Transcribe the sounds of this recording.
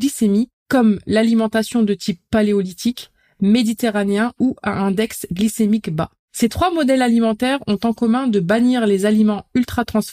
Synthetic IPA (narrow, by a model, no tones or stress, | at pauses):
lisemi | kːɔmlalimɑ̃t̪asjɔ̃d̪ət̪ʰipːaleɔlit̪ik | med̪it̪eʁaneɛ̃uɛ̰̃ɛ̃d̪ɛksɡlisemikba̰ | set̪χwamɔd̪ɛlalimɑ̃t̪ɛʁɔ̃t̪ɑ̃kɔmɛ̃d̪əbaniʁlezalimɑ̃ylt̪χat̪χɑ̃s